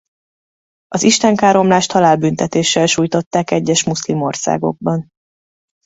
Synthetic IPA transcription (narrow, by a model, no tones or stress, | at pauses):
ɒziʃt̪ɛŋkaːɾo̞mlaːʃt̪hɒlaːlbynt̪ɛt̪eːʃɛlʃuːjt̪o̞t̪ːaːkɛɟːɛʃmuslimo̞rsa̰ːɡo̞̰ɡ̚bɒn